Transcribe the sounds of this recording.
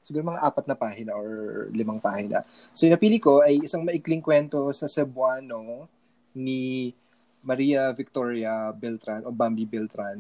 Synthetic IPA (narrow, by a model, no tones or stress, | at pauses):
sɪɡuːɾomɐŋaʔaːpɐt̪̚nɐpaːhɪnɐʔoɹlɪmaŋpaːhɪnɐ̰sojʊnɐpiːlɪko̞ʔɐjɪsaŋmɐʔɪklɪŋkwɛnt̪o̞sɐsɛbwaːno̞ | ni | mɐɾiːɐvɪk̚t̪oɹjɐbɛlt̪ɾanʔobambibɛlt̪ɾan